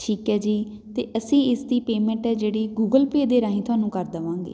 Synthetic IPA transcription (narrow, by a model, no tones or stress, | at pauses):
ʈʰiːkɛːd͡ʒiː | t̪eːʔəsĩːɪsd̪iːpeːmɛ̃ːɳʈɛːd͡ʒeːɽiːɡuːɡəlpeːd̪eːɾaːĩːt̪ʰʊaːnũːkəɾd̪əʋãːŋɡḛː